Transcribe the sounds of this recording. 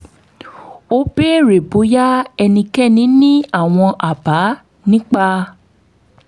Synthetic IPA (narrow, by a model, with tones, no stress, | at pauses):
o˦be˦ɾe˨bo˨˦ja˦ɛ˧nĩ˧kɛ˦˨nĩ˨˦nĩ˦a˦˨w̃ɔ̃˧ʔa˨ba˨˦ | nĩ˦k͡pa˧